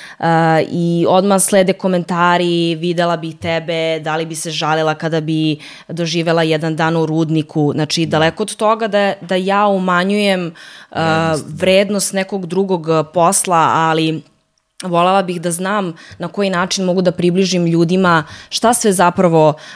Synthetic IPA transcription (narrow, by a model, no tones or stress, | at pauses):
əiod̪maxslˠeːd̪eko̞ment̪aːɾiʋid̪elabixt̪ɛbed̪alibiseʒalilakad̪abi | d̪oʒiːʋelajɛd̪and̪aːnuɾuːd̪nikʰuznat͡ʂid̪alɛkood̪t̪oɡad̪ad̪ajaːumaɲujeməʋɾeːd̪nost̪nɛkoɡd̪ɾuɡoɡposlˠaali | ʋolelˠabixd̪aznaːmnakojinaːt͡ʂinmoɡud̪apɾibliʒimʎuːd̪imaʃt̪asʋezapɾaʋo